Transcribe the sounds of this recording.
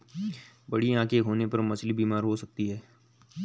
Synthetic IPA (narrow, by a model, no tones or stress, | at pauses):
bɐɽiãːkeɦoːnepɐɾmɐslibiːmaːɾɦosɐk̚t̪iɦɛː